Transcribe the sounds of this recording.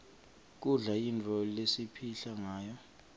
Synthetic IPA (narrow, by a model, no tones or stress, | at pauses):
k̬ʼuɮaint͡fʰʼɔlesipʰiɬaŋaːjɔ